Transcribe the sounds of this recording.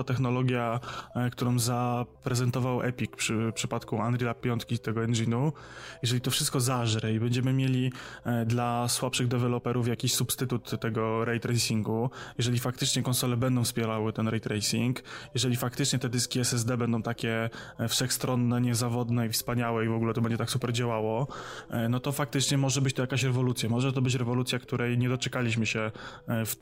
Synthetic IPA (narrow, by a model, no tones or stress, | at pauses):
t̪ɛxnɔlɔɡʲjakt̪uɾɔ̃w̃zapɾɛzɛnt̪ɔvawʔɛ̰pʲikpʂɘpʂɘpat̪kuand̪ɾʲilap̚pːʲjɔnt̪kʲit̪ɛɡɔɛnʐinu | jɛʐɛlʲit̪ɔfʂɘst̪kɔzaʐɾɛibɛɲd͡ʑɛmɘmʲjelʲid̪laswapʂɘɣd̪ɛvɛlɔpɛɾufjakʲiɕsupst̪ɘt̪ut̪ːɛɡɔɾɛjt̪ɾɛjsʲiŋɡujɛʐɛlʲifak̚t̪ɘt͡ʂɲɛkɔnsɔlɛbɛnd̪ɔ̃w̃fspʲjɛɾawɘt̪ɛnɾɛjt̪ɾɛjsʲiŋkjɛʐɛlʲifak̚t̪ɘt͡ʂɲɛt̪ɛd̪ɘskʲiɛsɛzd̪ɛbɛnd̪ɔ̃w̃t̪akʲɛfʂɛxst̪ɾɔnːɛɲɛzavɔd̪nɛifspaɲawɛivɔɡulɛt̪ɔbɛɲd͡ʑɛt̪aksupɛɾd͡ʑawawɔ | nɔt̪ɔfak̚t̪ɘt͡ʂɲɛmɔʐɛbɘt͡ɕt̪ɔjakaɕɾɛvɔlut̪sʲjamɔʐɛt̪ɔbɘt͡ɕɾɛvɔlut̪sʲjakt̪uɾʔɛjɲɛd̪ɔt͡ʂɛkalʲiɕmɘɕɛf